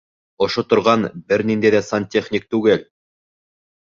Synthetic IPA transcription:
ŏʃot̪ŏɾʁɑnbɘɾnind̪æjðæsɑntʲeχnʲik̚t̪ʉɡɘl

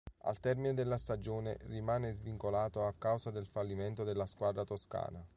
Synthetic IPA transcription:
a̰lt̪ɛrmined̪elːast̪ad͡ʒoːnḛrimaːnezviŋkolaːt̪oakːawsad̪elfalːiment̪od̪elːaskwad̪ɾat̪oska̰ːna

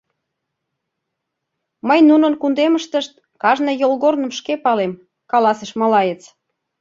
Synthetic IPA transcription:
məjnunə̆nkund̪eməʃt̪əʃt̪̚ | kɑʒnə̆jolɣornə̆mʃkepɑlem | kɑlɑseʃmɑlɑjet͡s

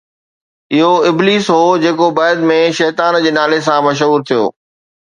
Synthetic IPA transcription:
ɪɦoɪbliːsɦoːd͡ʑeːkobɐːɪd̪mẽʃɛːt̪aːnd͡ʑeːnaːles̬ãmɐʃ̬ɦuːɾt̪ʰijo̰ː

